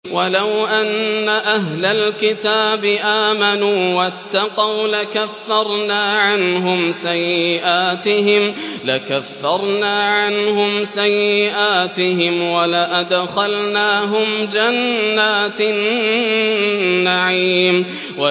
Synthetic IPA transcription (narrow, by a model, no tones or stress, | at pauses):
walawʔanːaʔaɦlalkɪt̪aːbɪʔaːmanuːwat̪ːɑqɑwlakafːɑɾˤnaːʕanɦʊmsajːɪʔaːt̪ɪɦɪmlakafːɑɾˤnaːʕanɦʊmsajːɪʔaːt̪ɪɦɪmwalaʔad̪xalnaːɦʊmd͡ʒanːaːt̪n | aʕiːm | wa